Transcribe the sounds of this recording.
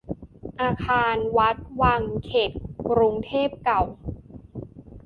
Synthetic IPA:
ʔaː˧kʰaː˧nwa˦˥t̪̚wa˧ŋkʰe˨˩t̪̚kɾu˧ŋt̪ʰeː˥˩p̚ka˨˩w

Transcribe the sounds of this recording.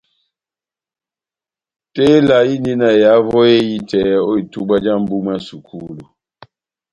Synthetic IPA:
te˦la˨ji˦ni˦na˨ja˨˦vɔ˦e˦ji˦tɛ˨˦o˦i˨tu˦ɡ͡ba˦d͡ʒa˦˨m̩˨bu˦m˦a˦su˨kʰu˦˨lu˨

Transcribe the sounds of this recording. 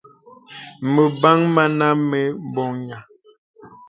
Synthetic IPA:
mə˨ba˦ŋma˦na˦me˦m˦bɔ˨ŋɲa˨

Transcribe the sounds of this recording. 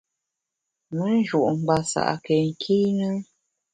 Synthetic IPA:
mə˨˦n̩˦ʒu˨ʔŋ͡m̩˨ɡ͡ba˨sa̰˨ʔke˨ŋ̩˨kʰi˦nə˦

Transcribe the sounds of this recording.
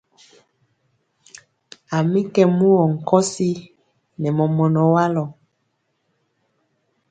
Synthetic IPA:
a˨mi˦kɛ˦mu˦wɔ˨ŋ̩˨kɔ˦si˦ | nɛ˨mɔ˨mɔ˨nɔ˨wa˦lɔ˨

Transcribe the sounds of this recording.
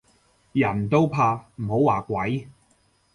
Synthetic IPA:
jɐ˨˩nt̪o˥wpʰaː˧m̩˨˩ho˨˥waː˨˩kʷɐ˨˥j

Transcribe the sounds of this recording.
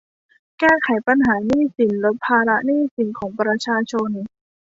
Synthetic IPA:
kɛː˥˩kʰa˩˦jpa˧nɦaː˩˦niː˥˩si˩˦nlo˦˥t̪̚pʰaː˧ɾa˦˥ʔniː˥˩si˩˦nkʰɔː˩˦ŋpɾa˧t͡ɕʰaː˧t͡ɕʰo˧n

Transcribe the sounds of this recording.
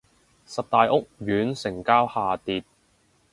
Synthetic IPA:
sɐ˨p̚t̪aː˨jʔʊ˥k̚jyː˨˥nsɪ˨˩ŋkaː˥whaː˨t̪iː˨t̚

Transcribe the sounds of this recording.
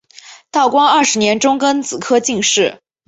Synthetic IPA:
t̪ɑ˥˩ʊkwɑ˥ŋɐ˥˩ʂɻ̩˧˥njɛ˧˥nʈ͡ʂʊ˥ŋkə˥nt͡sɹ̩˨˩kʰɤ˥t͡ɕi˥˧ŋʂɻ̩˥˩

